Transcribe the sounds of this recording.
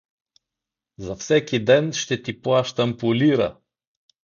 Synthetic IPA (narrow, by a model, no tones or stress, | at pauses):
zɐfsɛkʲid̪ɛnʃt̪ɛt̪iplˠaʃt̪ɐmpolʲiɾɐ̰